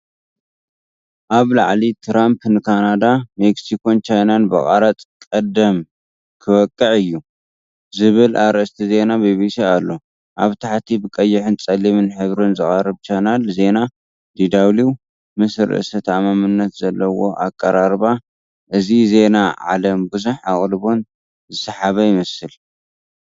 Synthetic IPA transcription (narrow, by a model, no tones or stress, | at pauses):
ʔaβlaʕlit̪ʰɾampnɨkʰanad̪ameksikʰo̞nt͡ʃajnanbɐ̰χʼaɾat͡s̪ʼkʼɐd̪ɐm | kʰɨβɐkʼːɨʕɨjːu | zɨβɨlʔaɾɨst̪ʰize̞nabiβisialːo̞ | ʔaβt̪ʰaħt̪ʰibɨkʼɐjːɪħɨnt͡sʼɐlimɨnħɨβɾɨnzɨχʼɐrɨβt͡ʃʰajnalze̞na | d̪id̪awliw | mɨsɾɨ̰ɨsɐt̪ʰamamɨnːɐt̪z̥ɐlːɐwo̞̰ʔakʼːɐɾaɾba | ʔɨzize̞naʕa̰lɐmbuzuħaχʼlβo̞n | zɨsɐħaβɐjɪmɐsɨl